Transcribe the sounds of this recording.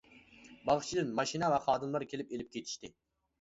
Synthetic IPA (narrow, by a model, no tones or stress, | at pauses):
bɑʁʃt͡ʃʰid̪ɨnmɑʃinɛvɛχɑːd̪ɨmlˠɑɾkʲʰelɪp̚elɪp̚kʲʰet̪ʰi̥ʃt̪ɪ